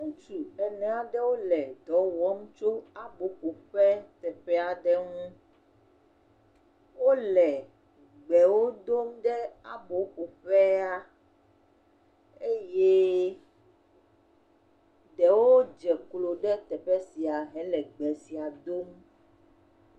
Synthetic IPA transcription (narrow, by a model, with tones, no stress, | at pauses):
ŋũ˦t͡ʃu˨ɛ˨nɛ̃˦a˨ɖɛ˦wo˦lɛ˨d̪ɔ˨˦wɔ˦m˦t͡ʃo˦a˦bo˨˦ɸo˨ɸɛ˦t̪ɛ˨ɸɛ˦a˨ɖɛ˦ŋũ˦ | wo˦lɛ˨ | ɡ͡bɛ˨wo˦d̪o˦mɖɛ˦a̰˨bo˨xu˨ɸɛ˦a˦ | e˦je˦ | ɖɛ˨wo˦d͡ʒɛ˨klo˨ɖɛ˦t̪ɛ˨ɸɛ˦si˨a˨ɦɛ˦lɛ˨ɡ͡bɛ˨si˨a˨d̪o˦m